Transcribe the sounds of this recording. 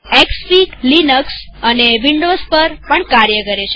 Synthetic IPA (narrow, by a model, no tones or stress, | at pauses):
ekspiklinəksəneʋiɳɖospəɾpəɳkaɾjəkəɾet͡ʃʰe